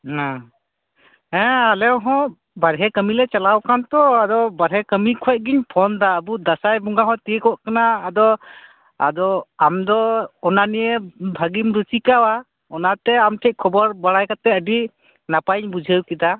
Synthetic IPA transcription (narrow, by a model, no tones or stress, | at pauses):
ɔ̃ | ɛ̃alɛwɦɔ̃ʔ | baɾɦɛkəmilɛt͡ʃalawkant̪ɔad̪ɔbaɾɦɛkəmikʰɔc̚ˀɡiɲpʰɔnd̪aəbud̪asajbuŋɡaɦɔ̃t̪ikɔʔkanaːd̪ɔ | a̰d̪ɔamd̪ɔɔnanijəbʱaɡimɾut͡ʃikawa | ɔnat̪ɛamʈʰɛc̚ˀkʰɔbɔɾbaɽajkat̪ɛəɖi | napaɲbud͡ʒʱəwkid̪a